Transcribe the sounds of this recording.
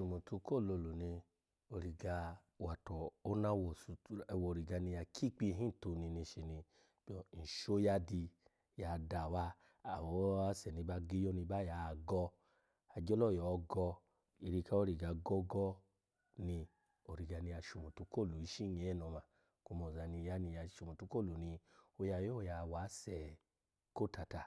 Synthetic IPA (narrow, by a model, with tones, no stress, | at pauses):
ʃu˨mo˨tu˧ko˦˨lo˧˨lo˨nĩ˧ | o˧ɾi˨ɡa˧ | wa˨tɔ˨o˦na˦wɔ˨su˧ɛ˧˨wɔ˨ɾi˨ɡa˧nĩ˧ja˧kʰi˦k͡pi˦˧ɦĩ˦n̩˨to˧nĩ˧nĩ˧ʃe˧nĩ˧ | b̥i˦ɔ˧˨n̩˨ʃo˦ja˦di˧ | ja˨da˨wa˦ | a˨wɔ˨˦a˦sɛ˨nĩ˧ba˦ɡe˦jo˦nĩ˧ba˦ja˨˦˨ɡɔ˧ | a˧d͡ʒɔ˦lɔ˦˨jɔ˨˧ɡɔ˧ | i˧ɾi˧ka˦o˦ɾi˨ɡa˧ɡɔ˦ɡɔ˦ | nĩ˧ | o˨ɾi˨ɡa˧nĩ˧ja˧ʃu˨mo˨tu˨˧˦ko˦˨lu˨i˨˦ʃi˦ɲe˨˧ɛ˦nɔ˨˧ma˨ | ku˧mɔ˨za˧nĩ˧ja˨˧˦nĩ˧ja˧ʃu˧mo˨tu˧˦ko˦˨lu˨nĩ˧o˧ja˧˨jo˦˧ja˧˨wa˨˦sɛ˨ | ko˦˨ta˧˨ta˨